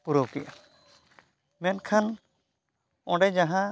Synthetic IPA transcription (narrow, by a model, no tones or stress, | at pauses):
puɾowkijʔa | mɛnkʰan | ɔ̃ɖɛd͡ʒaɦã